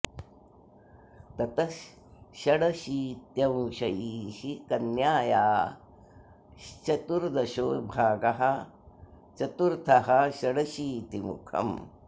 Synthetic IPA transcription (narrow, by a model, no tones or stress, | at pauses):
t̪ɐt̪ɐʃː | ɐɽɐʃiːt̪jɐ̃wʃɐjiːʃikɐnjaːjaː | t͡ʃɐt̪uɾd̪ɐʃoːjbʱaːɡɐɦɐ | t͡ʃɐt̪uɾt̪ʰɐɦɐʃɐɽɐʃiːt̪imṵkʰɐ̰m